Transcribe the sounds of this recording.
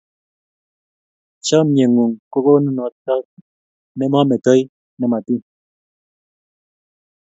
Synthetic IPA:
t͡ʃa˦mje˨ŋu˨ŋko˦ko˦nu˦nɔ˨˦t͡sa˦k | nɛ˦ma˦mɛ˨tɔ˦j | nɛ˨ma˨ti˦

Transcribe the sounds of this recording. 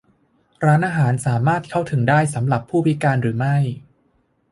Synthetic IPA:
ɾaː˦˥nʔaː˧ɦaː˩˦nsaː˩˦maː˥˩t̪̚kʰa˥˩wt̪ʰɯ˩˦ŋdaː˥˩jsa˩˦mɾa˨˩pʰːuː˥˩pʰi˦˥kaː˧nɾɯː˩˦ma˥˩j

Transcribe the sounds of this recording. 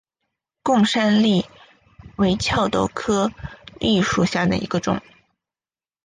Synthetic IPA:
kʊ˥˩ŋʂa˥nli˥˩ | we˧˥ɪt͡ɕʰjɑ˥˧ʊt̪o˥˩ʊkʰɤ˥li˥˧ʂu˥˧˩ɕja˥˩d̪ə̰˩ḭ˧˥ɡə˧ʈ͡ʂʊ̰˨˩˦ŋ

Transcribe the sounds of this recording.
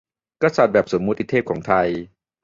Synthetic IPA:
ka˧˩sa˨˩t̪̚bɛː˨˩p̚so˩˦mːu˦˥t̪ʰːi˨˧t̪ʰːeː˥˩kʰɔː˩˦ŋt̪ʰa˧j

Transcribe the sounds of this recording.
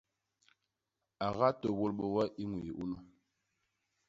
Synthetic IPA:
a˨ɣa˦to˨wo˦˨lɓo˨wa˦ʔi˦ŋwi˨ji˨ʔu˦nu˦

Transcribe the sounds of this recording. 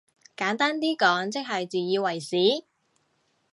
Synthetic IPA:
kaː˨˥nt̪aː˥nt̪̬iː˥kɔː˨˥ŋt͡sɪ˥k̚ɦɐ˨jt͡siː˨jiː˧wɐ˨˩jsiː˨˥

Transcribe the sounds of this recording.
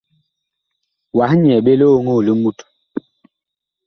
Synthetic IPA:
wa˨˦hɲ˨ɛ˨ɓe˦lo˦o˦ŋo˦˨li˦mu˦˨t

